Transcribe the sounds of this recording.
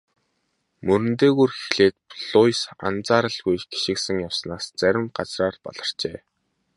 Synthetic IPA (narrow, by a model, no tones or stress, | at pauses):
mɵɾɵ̆nt̪eːɣuːrxi̥iɮeːt̪̚pɮʊjsa̰nt͡saːɾə̆ɮɣujɡi̥ʃɪ̆ksɘ̆ŋjawsnaːst͡sæɾʲɪ̆mɢat͡sraːrpɔ̰ɮə̆r̥t͡ɕeː